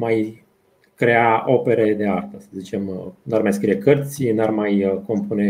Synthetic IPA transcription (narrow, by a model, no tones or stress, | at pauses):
maj | kɾe̞ao̞pe̞ɾed̪e̞art̪əsəzit͡ʃe̞mnarmajskɾije̞kərt̪sʲɨnarmajko̞mpune̞